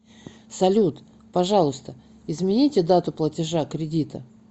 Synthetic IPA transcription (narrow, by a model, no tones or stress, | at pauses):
sɐlʲut̪ | pɐʐɑlˠʊst̪ə | ɪzmʲɪnʲitʲɪd̪at̪ʊplˠətʲɪʐakɾʲɪdʲit̪ə̰